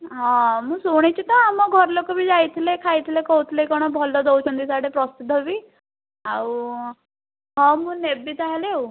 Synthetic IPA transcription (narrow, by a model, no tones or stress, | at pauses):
ɦɔ̃muːsoɽ̃et͡ɕit̪ɔamɔɡʱɔɾlokɔbʱiːd͡zajt̪ʰlekʰajt̪ʰlekɔwt̪ʰlekɔɽ̃ɔbʱɔlːɔd̪ɔwt͡ɕənd̪isaʈepɾɔsid̪ʱɔbi | au | ɦɔ̃muːnebit̪aɦalew